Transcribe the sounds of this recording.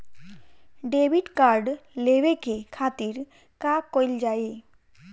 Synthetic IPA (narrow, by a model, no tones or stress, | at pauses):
ɖeʋiːʈkaɾɖleʋekekʰat̪iːɾ | kakojld͡ʑae